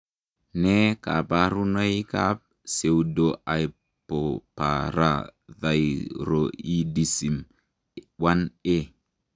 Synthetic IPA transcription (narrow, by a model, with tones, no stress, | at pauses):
ne˦ka̰˨pa˦ɾu˦no˦i˦ka˦p̚ | se˨wdo˨ʔa˨j | po˨pa̰˨ɾa̰˨ða˨jɾo˨i˦di˨si˨m | wa˦ne˦